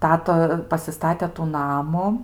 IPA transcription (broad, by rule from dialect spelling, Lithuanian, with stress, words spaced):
ˈtɑːtɐ pɐsʲɪˈstɑːtʲɛ tuː ˈnɑːmʊ